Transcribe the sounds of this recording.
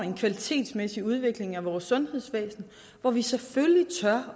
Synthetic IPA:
e̝nkʰʋælit͡sʰe̝̰ːd̥smesiuð̞ˠʋe̝ɡ̥le̝ŋæʋɒːsːɔ̽nhe̝ð̞ˠsʋɛ̰ːsn̩ | ʋɒʋisefølit͡sʰɶɐ

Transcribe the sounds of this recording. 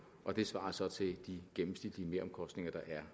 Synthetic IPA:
ʔɒ̽d̥e̝sʋɑ̰̈ːɐsɒ̽t͡sʰe̝ld̥iɡ̥emm̩sn̥id̥liəme̝ɐɒ̽mkʰɒ̽sd̥ne̝ŋɐd̥ɑ̈ʔæɐ

